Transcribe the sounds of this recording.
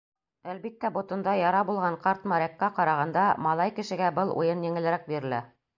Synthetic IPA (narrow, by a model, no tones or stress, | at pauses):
ælbit̪ːæbŏt̪ŏnd̪ɑjɑɾɑbulˠʁɑɴqɑɾt̪mɑɾækːæqɑɾɑʁɑnd̪ɑmɑlˠɑjkɘ̆ʃɘ̆ɡæbɤlˠṵjɤnjɘ̆ŋɘ̆lɘ̆ɾæk̚biɾɘ̆læ